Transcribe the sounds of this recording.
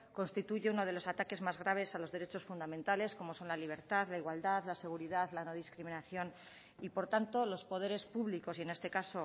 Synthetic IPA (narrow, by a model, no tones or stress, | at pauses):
ko̞nst̪it̪uʝe̞uno̞ð̞e̞lo̞sat̪ake̞zmazɣ̞ɾaβ̞e̞salo̞zðe̞ɾe̞t͡ʃo̞sfund̪amẽnt̪ale̞sko̞mo̞so̞nlaliβ̞e̞ɾt̪aðlaiɣwald̪aðlase̞ɣ̞uɾiðaðlano̞ð̞iskɾimĩnaθjo̞n | ipo̞ɾt̪ant̪o̞lo̞spo̞ð̞e̞ɾe̞spuβliko̞sie̞ne̞st̪e̞kaso̞